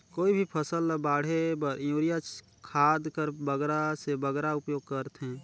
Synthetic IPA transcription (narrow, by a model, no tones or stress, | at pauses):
koːibʱipʰəsəlbaːɽ̤ebəɾjuːɾijat͡ʃ | kʰaːd̪kəɾbəɡɾasebəɡɾaʊpjoːɡ̚kəɾt̪ɦɛ̃ː